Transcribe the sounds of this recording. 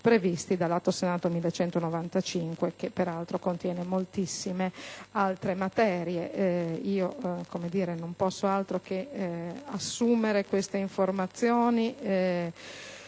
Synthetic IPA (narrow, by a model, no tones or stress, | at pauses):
pɾevist̪id̪alːat̪ːosenaːt̪omilːet͡ʃɛnt̪onovant̪at͡ʃiŋkwek̟epːeɾalt̪ɾokont̪jɛːnemolt̪isːimealt̪ɾemat̪ɛːɾjeiːokomed̪iːɾenompɔsːoalt̪ɾoke | asːuːmeɾekwest̪eiɱformat̪sːjoːniɛ